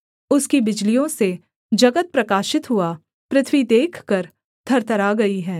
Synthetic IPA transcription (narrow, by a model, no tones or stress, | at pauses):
ʊskibɪd͡ʒlijõse | d͡ʒɐɡət̪̚pɾɐkaːʃɪt̪ɦua | pɾɪt̪ʰwid̪eːkʰkɐɾ | t̪ʰɐɾt̪ɐɾaɡɐiɦɛ̃ː